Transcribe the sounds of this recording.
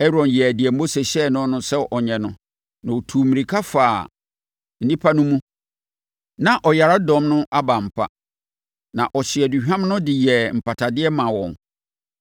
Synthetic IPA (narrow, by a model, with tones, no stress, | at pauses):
ɛ˦ɾɔ̃˨njɛ˨æ˨dɪ˨ɛ˨m̩˦bo˦sɛ˨ɕɛ˦˨nʊ̃˦nʊ̃˦sɛ˦ʔɔ˨ɲɛ̃˨nʊ̰̃˦ | nã˨o˨tʰuː˨mĩ˨ɾi˨kʰa˦faː˨ | n̩˦nĩ˦pʰa˦nʊ̃˦mũ˦ | nã˨ʔɔ˨ja˨ɾa˦dɔ̃˨˦mnʊ̃˦ʔa˦ba˨m̩˨pʰa̰˦ | nã˨ʔɔ˨ɕɪ˨ɛ˨du˨hᶣã˦m˦nʊ̃˦dɪ˨jɛ˨m̩˨pʰa˨tʰa˨dɪ˦ɛ˦mã˨wɔ̰̃˨n